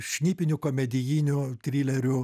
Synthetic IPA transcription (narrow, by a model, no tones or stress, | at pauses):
ʃʲnʲiːpʲɪnʲʊkoːmʲɛd̪ʲɪjiːnʲʊt̪ʲɾʲiːlʲɛɾʲʊ